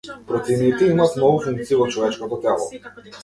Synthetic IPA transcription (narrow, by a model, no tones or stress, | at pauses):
pɾɔt̪sɛinit̪ɛimaːt̪nɔɡufuŋk̚t̪sivɔt͡ʃɔvɛt͡ʃkɔt̪ɔt̪ɛlˠɔ̰